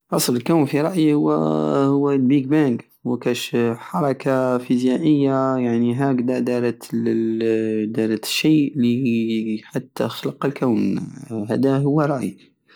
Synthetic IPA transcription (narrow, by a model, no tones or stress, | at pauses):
ʔɑsˤləlkawnfiɾˤɑʔjihʊwːhʊwːlbik̚bæŋɡ | wkæʃħɑɾˤɑkʰafizjaʔəjːajaʕniɦaːkd̪ɑd̪ɑɾ | d̪ɑɾʃːiːʔli | ħat̪ːaxlɑqːlkawnɦæ̰ːd̪aɦʊwːæɾˤɑʔjḭ